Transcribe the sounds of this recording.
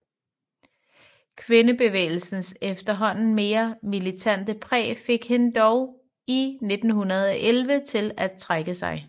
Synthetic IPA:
kʰʋe̝nəb̥e̝ʋḛːɪl̩sn̩sefd̥ɐɦɒ̽n̰n̩me̝ːɐmilit͡sʰæn̰d̥əpʰʁɛ̰ːfe̝ɡ̥he̝nd̥ɒʊ | ine̝d̥n̩ɦunɐð̞ˠɒ̽ʔelʋət͡sʰe̝læt͡sʰʁaɡ̥əsɑ̈ɪ

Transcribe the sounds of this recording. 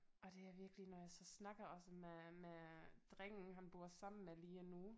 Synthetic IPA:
ʔɒ̽d̥e̝æɐʋiɐɡ̥əlinɒjɑ̈ɪsɒ̽snɑ̈ɡ̥ɐɒ̽səmemed̥ʁɛŋ̰n̩ɦænb̥o̝ɐsɑ̈m̰n̩meliːɒnu

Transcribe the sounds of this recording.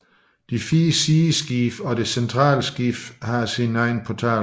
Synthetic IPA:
d̥ifiːəsiːsɡ̥ifɒ̽de̝sent͡sʰʁɑ̰̈ːlsɡ̥ifhɑ̈sinɑ̈ɪn̩pʰɒt͡sʰɛ̰ː

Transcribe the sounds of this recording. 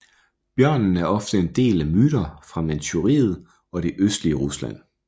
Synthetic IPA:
b̥jɶɐ̰nn̩æɐɒ̽fd̥əe̝nd̥e̝̰ːlæmyːɾ̥ɐfʁɑ̈mænt͡sʰuʁḭːð̩ˠ | ɒ̽ɾe̝ʔøsd̥liəʁuslæ̰n̰

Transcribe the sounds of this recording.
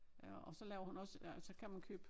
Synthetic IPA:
ɒsɒ̽lɛːʊɐhunɒ̽sælsɒ̽kʰæmænkʰøːb̥

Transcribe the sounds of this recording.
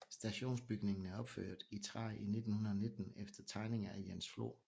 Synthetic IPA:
sd̥æɕo̝̰ːnsb̥yɡ̥ne̝ŋn̩æɐɒ̽b̥fø̰ːɐ̰d̥ˠit͡sʰʁɑ̈ɪʔine̝d̥n̩hunɐðˠɒne̝d̥n̩efd̥ɐt͡sʰɑ̈ɪne̝ŋɐæjensflo̝̰ː

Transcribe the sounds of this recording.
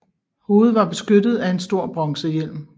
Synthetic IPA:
ho̝ːð̞̩ˠʋɑ̈b̥e̝sɡ̥ødð̩ˠæe̝nsd̥o̝ɐ̰b̥ʁɑŋsəjel̰m

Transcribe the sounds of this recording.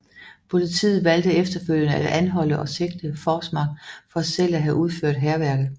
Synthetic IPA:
pʰo̝lit͡sʰḭːð̩ˠʋæld̥əefd̥ɐføl̰jənəæd̥ænɦɒ̽l̰əʔɒ̽se̝ɡ̥̚d̥əfɒːsmɑ̈ɡfɒ̽sel̰æɦæʔuð̞ˠføɐ̰d̥ɦæɐʋæɐɡ̥ð̩ˠ

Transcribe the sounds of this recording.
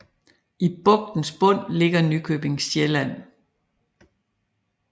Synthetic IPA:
ʔib̥ɔ̽ɡ̥̚d̥n̩sb̥ɔ̽n̰le̝ɡ̥ɐnykʰøːb̥e̝ŋsjelæn̰

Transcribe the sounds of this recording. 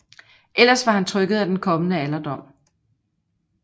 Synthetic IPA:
ʔel̰ɐsʋɑ̈hænt͡sʰʁœɡ̥ð̞̩ˠæd̥enkʰɒ̽mənəælɐd̥ɒ̽m̰

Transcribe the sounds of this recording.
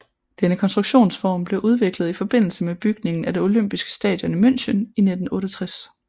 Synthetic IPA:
d̥enəkʰɒnsd̥ʁuɡ̥ɕo̝̰ːnsfɒ̰ːmb̥le̝ʔuð̞ˠʋe̝ɡ̥ləð̞̩ˠifɒ̽b̥e̝n̰l̩səmeb̥yɡ̥ne̝ŋn̩æd̥eno̝løm̰b̥isɡ̥ə̥sd̥ɛ̰ːd̥jɔ̽nimøn̰ɕənine̝d̥n̩ɔ̽ːɾət͡sʰʁas

